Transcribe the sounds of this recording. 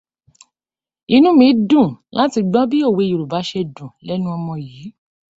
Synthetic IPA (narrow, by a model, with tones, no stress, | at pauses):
i˦nũ˦mĩ˨˦dũ˦˨la˨˦ti˧ɡ͡bɔ̃˦bi˦o˦˨we˧o˨ɾu˨ba˨˦ʃɛ˧dũ˨lɛ˦nũ˦ɔ˧mɔ̃˧jiː˨˦